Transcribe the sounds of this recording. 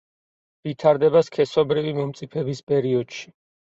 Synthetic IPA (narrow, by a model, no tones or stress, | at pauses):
vit̪ʰaɾd̪ɛbaskʰɛsɔbɾivimɔmt̪sʼipʰɛbispʼɛɾiɔd̪̥ʃi̥